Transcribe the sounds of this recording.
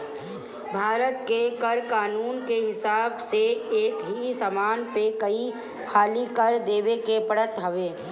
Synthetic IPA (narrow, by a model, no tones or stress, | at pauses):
bʱaːɾət̪kekɐɾkaːnuːnkeɦɪsaːbseeːkɦisaːmaːnpekɐi | haːlikɐɾd̪eːʋekepɐɽət̪ɦɐʋeː